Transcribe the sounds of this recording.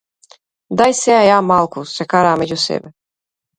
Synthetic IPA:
d̪ajseajamɑlˠkusekaɾamed͡ʑʲusḛbɘ

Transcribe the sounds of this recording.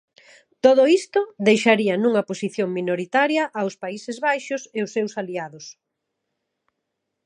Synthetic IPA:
t̪oðoist̪ʊðejʃaɾiɐnũŋɐposiθjoŋminoɾit̪aɾjɐʔːwspaisɪzβajʃʊseʊsːewsaliaðʊs

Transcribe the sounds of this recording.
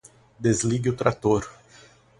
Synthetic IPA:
d̪ezliɡɪʊt̪ɾat̪oɾ

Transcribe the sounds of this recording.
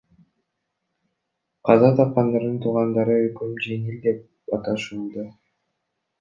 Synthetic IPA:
qʰɑzɑt̪ʰɑp̚qɑnd̪ɑɾd̪ɯnt̪ʰuʁɑnd̪ɑɾɯɵlkømd͡ʒe̞ŋild̪e̞p̚ | ɑt̪ɑʃuːlˠd̪ɑ

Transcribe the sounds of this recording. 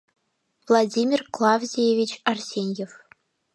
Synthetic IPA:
vlˠadʲimʲirklˠɑvzʲejevʲit͡ɕɑrsʲenʲjef

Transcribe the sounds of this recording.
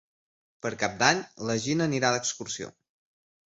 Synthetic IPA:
pəɾkap̚d̪aɲləʒinəniɾaðəkskuɾsio̰

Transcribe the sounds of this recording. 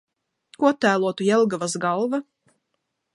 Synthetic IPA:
kuɔt̪æːlˠuɔt̪ujɛlˠɡavasɡalˠva

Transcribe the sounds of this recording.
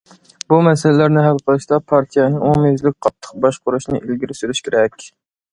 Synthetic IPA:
bumɛsɪlɪlæɾnɪɦɛlˠqʰəlˠɨʃt̪ɑpʰɑɾt̪ʰijɛnomezlɪk̚ʲqʰɑt̪ʰːə̥q̚bɑʃqʊɾuʃnɨ̰ʔilɡʲiɾɪsyɾyʃkʲʰeɾɛkʲ

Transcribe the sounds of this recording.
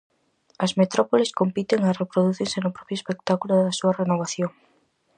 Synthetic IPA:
ɐzmet̪ɾɔpoleskompit̪eŋɐrepɾoðuθiɾsenʊpɾɔpjoespek̚t̪akulʊðɐsuɐrenoβ̞aθjoŋ

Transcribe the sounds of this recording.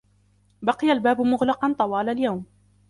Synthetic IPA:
bɑqɨjalbaːbʊmʊɣlɑqɑnt̪ˤɑwɑːlaljawm

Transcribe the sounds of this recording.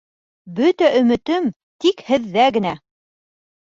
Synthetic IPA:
bɵt̪æʔɵ̆mɘ̆t̪ɘm | t̪ikhɘ̆ðːæɡɘ̆næ

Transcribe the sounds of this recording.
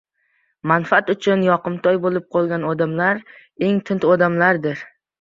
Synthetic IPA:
manfaat̪ʊt͡ʃʰʊnjɒqɨmt̪ʰɒjbolɪp̚qʰolˠɡʲanɒd̪amlaɾ | e̞ŋt̪ʰɪnt̪ɒd̪amlaɾd̪ɪɾ

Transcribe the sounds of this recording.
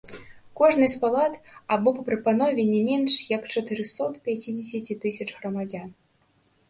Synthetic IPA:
kɔʐnɐsʲtʲpalˠat̪abɔpɐpɾɨpanɔvʲɛnʲɛmʲɛnʂjɐkt͡ʂɐt̪ɨɾɨsɔt̪pʲat͡sʲid͡zʲesʲat͡sʲit̪ɨsʲɐt͡ʂɣrɐmad͡zʲan

